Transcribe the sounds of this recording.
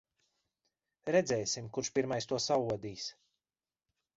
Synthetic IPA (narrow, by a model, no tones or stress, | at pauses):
ɾɛd̪zɛjsimkuɾʃpiɾmajst̪uɔsavuɔd̪iːs